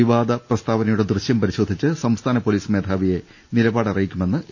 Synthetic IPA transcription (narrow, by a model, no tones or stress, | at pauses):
iʋaːd̪ɐprɐst̪ʰaːʋɐnɐjuɽe̞d̪rɨɕjɐmpɐɾiɕo̞ːd̪ʱit͡ɕːɨsɐmst̪ʰaːnɐpo̞liːsme̞ːd̪ʱaːʋije̞ | nilɐbaːɽɐrɐjikʲːume̞nːɨ